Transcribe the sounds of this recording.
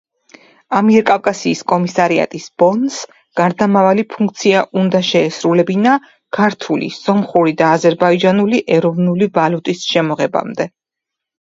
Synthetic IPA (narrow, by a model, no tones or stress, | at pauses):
amiɛɾkʼafkʼasiːskʼɔmisaɾia̰t̪ʼisb̥ɔns | ɡ̥aɾd̪amavalipʰuŋk̚ʰʼt̪sʰiaʔund̪aʃɛːsɾulɛbina | kʰaɾt̪ʰulḭsɔmχuɾid̪aːzɛɾbaid͡ʒanuliʔɛɾɔvnulivalut̪ʼisʃɛmɔʁɛba̰md̪ɛ